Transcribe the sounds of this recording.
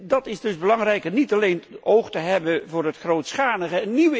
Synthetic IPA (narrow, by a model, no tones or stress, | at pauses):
dɑtɪzdɵzbəlɑŋrɛjkənitɑlejnowχtəɦɛbənvʊːrɦətχrowtsχaːnəɣəɛnniʋə